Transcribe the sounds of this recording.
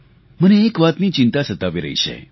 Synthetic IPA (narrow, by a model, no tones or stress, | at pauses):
məneːkʋat̪nit͡ʃint̪asət̪aʋiɾəɦḭʃḛ